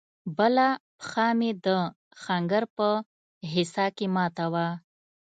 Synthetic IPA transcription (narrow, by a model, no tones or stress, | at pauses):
bəlapxɑmed̪ə | xaŋɡəɾpə | ɦɪsɑkemɑt̪awa